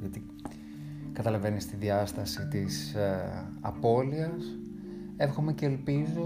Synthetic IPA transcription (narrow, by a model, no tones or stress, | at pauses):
ɐt̪i | kɐt̪ɐlɐve̞nist̪iðiɐst̪ɐsit̪is | ɐ̰po̞liɐs | e̞fxo̞me̞ce̞ːlpizo